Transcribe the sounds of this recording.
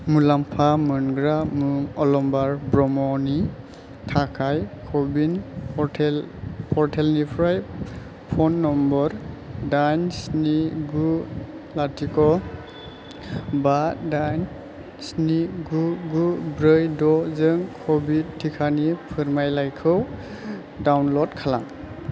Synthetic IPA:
mulampʰamɯnɡɾamuŋɔlɔmbaɾbɾɔmɔni | tʰakʰajkʰɔbinʰ | pʰɔɾtʰelnipʰɾaj | pʰɔnːɔmbɔɾ | dajnsniɡu | latʰikɔ | badan | sniɡuɡubɾɯjdɔzɯŋkʰɔbitʰːikʰanipʰɯɹmajlajkʰɯw | dawnlɔdkʰalaŋ

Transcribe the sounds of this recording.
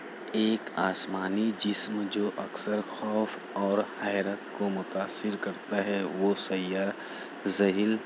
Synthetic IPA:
eːkaːsmaːnid͡ʒɪsmd͡ʒoːʔɐksəɾxɔːf | ɔːɾhaːjɾət̪komʊt̪aːsːɪɾkɐɾt̪aɦɛʋosɐjːaːɾ | zɐɦil

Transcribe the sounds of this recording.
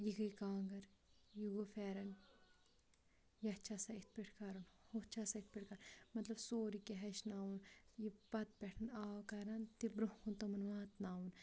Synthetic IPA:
jiɡɐjkaːŋɡɐɾjiɡofɛːɾɐn | jɐt͡ʃʰasait̪̚ʰpiʈʰkɐɾɐnhot͡ʃʰasait̪̚ʰpiʈkanmɐt̪lɐbsoːɾikeɦɐʃnaːwunjipɐt̪̚pɛʈʰɐnaːwkɐɾant̪ibɾukunt̪ɐmɐnʋaːt̪naːwun

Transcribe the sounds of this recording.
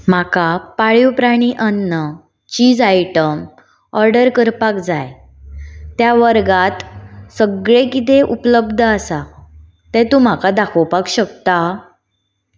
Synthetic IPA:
m̤akapaɭjiwpɾaɽ̃iʔənːə | t͡ɕiːd͡zajʈəm | ɔɾɖəɾkəɾpakd͡zaj | t̪jaʋəɾɡat̪səɡɭekit̪eʔupələbd̪ʱəasa | t̪ɛ̃t̪um̤akad̪akʰəwpakɕəkt̪a

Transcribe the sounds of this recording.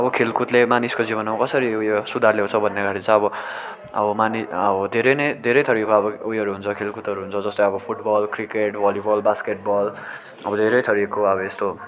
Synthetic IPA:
ʌbʌkʰelkut̪lemaniskod͡zibʌnʌmakʌsʌɾiujosud̪ʱarleɦõt͡sʰʌbʱʌnːeɡʱaʈʰit͡sʰʌ̃ʌbʌ | ʌ̰bʌmaniʌbʌd̪ʱeɾʌjnʌjd̪ʱeɾʌjt̪ʰʌɾikoʌbʌujʌɾuɦunt͡sʰʌkʰelkut̪ʌɾuɦunt͡sʰʌd͡zʌst̪oʌbʌpʰuʈbʌlkrikeʈbʌlibʌlbaskeʈ̚bʌl | ʌbʌd̪ʱeɾʌjt̪ʰʌɾikːoʌbʌest̪o

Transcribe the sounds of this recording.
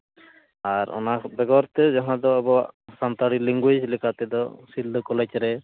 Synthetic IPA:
aɾɔ̰nabɛɡɔɾt̪ed͡ʒɔɦãd̪ɔbɔsant̪aɽiliŋɡwed͡ʒlikat̪ɛd̪ɔsild̪ɔkɔlet͡ʃɾɛ

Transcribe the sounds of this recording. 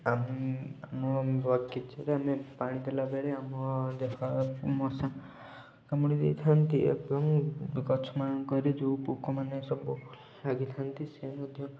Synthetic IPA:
amamɔɾɔkit͡ʃʰɔɾeamepaɽ̃id̪elabeɭeamɔd̪epʰamɔsa | kamuɽ̃id̪ejt̪ʰant̪iḛbɔŋkɔt͡ʃʰɔmanɔŋkɔɾid͡ʒupukɔmanesɔbɔ | aɡit̪ʰant̪isemɔd̪ʱjɔ

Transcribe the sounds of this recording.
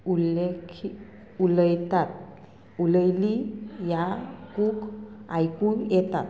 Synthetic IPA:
ulekʰi | uləjt̪at̪̚ | uləjlijakukajkujɛt̪at̪

